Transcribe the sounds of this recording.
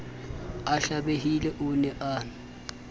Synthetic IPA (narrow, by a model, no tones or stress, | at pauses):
aɬaɓehilɛʔunɛʔa